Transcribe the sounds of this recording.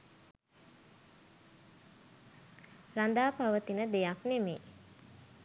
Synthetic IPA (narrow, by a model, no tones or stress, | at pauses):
rand̪aːpaʋət̪inəd̪ejaknemeː